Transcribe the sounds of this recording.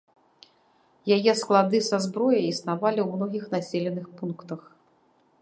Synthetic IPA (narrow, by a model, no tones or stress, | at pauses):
jajɛsklˠad̪ɨsazbɾɔjɐisnavalʲiwmnɔɣʲixnasʲelʲɛnɨxpunkt̪ɐx